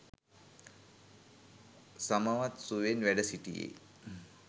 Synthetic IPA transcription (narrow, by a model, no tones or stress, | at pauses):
saməʋat̪suʋenʋæɖəsiʈijḛː